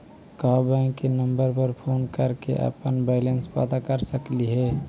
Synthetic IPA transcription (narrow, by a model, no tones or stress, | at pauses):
kəɦbəɪ̃kenəmbəɾpəɾpʰonkəɾkḛʔə̰pənbaɪlenspa̰d̪akəɾsəkliɦe